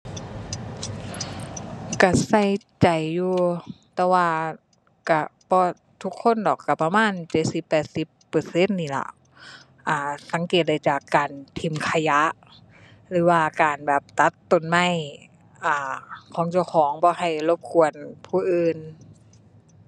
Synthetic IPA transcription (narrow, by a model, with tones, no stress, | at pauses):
ka˧˩sa˧˩j | t͡ɕa˨˩jːuː˧t̪ɛː˧waː˧ | ka˧˩bɔː˧ | t̪ʰu˧˥kʰːo˧˥˨ndɔː˨˩kːa˧˩pa˧maː˧˥˨nt͡ɕe˧˦t̪̚si˧˦pːɛː˨˩t̪̚si˧˦pːɤː˨˩se˧˥˨nːiː˧˩˨la̰˧˩ʔ | ʔaː˧˩sa˨˦ŋkeː˨˩t̪̚da˧˩jt͡ɕaː˨˩kːaː˨nt̪ʰi˧˩mkʰa˧ja˧˥ʔ | lɯː˨˦waː˧˩kaː˨˩nbɛː˨˩p̚t̪a˧˦˥t̪ːo˨nma˧˥˨j | ʔaː˧˩kʰɔː˨˦ŋt͡ɕa˧˩wkʰɔː˨˦ŋbɔː˧˦ha˧˩jlo˧˦p̚kʰu˧˨˩ənpʰuː˧˩ʔɯː˧˨n